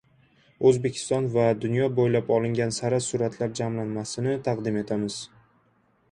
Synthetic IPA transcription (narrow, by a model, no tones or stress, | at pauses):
ɵzbekʲʰɪ̥st̪ɒnvad̪ʊnjɒbojlapɒlɪŋɡʲansaɾasʊɾat̪ʰlaɾd͡ʒamlanmasɪnɪt̪ʰaqd̪ɪme̞t̪ʰamɪz̥